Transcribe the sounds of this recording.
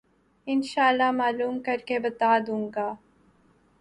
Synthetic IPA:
ɪnʃaːəlːamaːluːmkɐɾkebɐt̪aːd̪ũːŋɡaː

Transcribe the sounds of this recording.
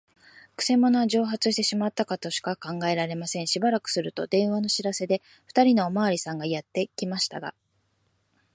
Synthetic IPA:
kɯ̟̥se̞monoaʑo̞ːɦat͡sɨɕi̥t̪e̞ɕimat̪ːakat̪o̞ɕi̥kakãŋɡae̞ɾaɾe̞masẽ̞ɰ̃ɕibaɾakɯ̟̥sɨɾɯ̟t̪o̞d̪ẽ̞ɰ̃βano̞ɕiɾase̞d̪e̞ | ɸɯ̟̥t̪aɾʲino̞ːmaːɾʲisãŋɡajat̪ːe̞kʲimaɕi̥t̪a̰ɡa̰

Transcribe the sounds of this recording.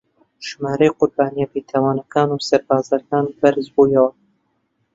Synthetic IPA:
ʒ̥maːɾɐjqʊɾbaːnijapit̪ʰaːwaːnɐkʰaːnuːsɐɾbaːzɐkaːnbɐɾzbuːjɐwɐ

